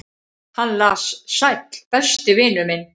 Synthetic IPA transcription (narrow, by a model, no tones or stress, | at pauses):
hanlaːssajt̪lpɛst̪ɪvɪːnʏmɪn